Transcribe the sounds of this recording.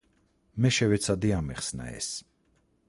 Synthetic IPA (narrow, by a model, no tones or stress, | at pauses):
mɛʃɛvɛt̪sʰad̪iamɛχsna̰ɛ̰s